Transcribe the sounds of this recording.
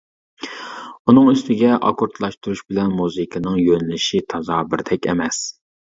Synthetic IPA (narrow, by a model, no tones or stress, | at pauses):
unɨŋyst̪ɪɡʲɛʔɑ̰kʰoɾt̪ʰlˠɑʃt̪uɾuʃbɪlɛnmuzɨkʰɨnɨŋjønlɪʃit̪ʰɑzɑːbɪɾd̪ɛkʲɛ̰mɛs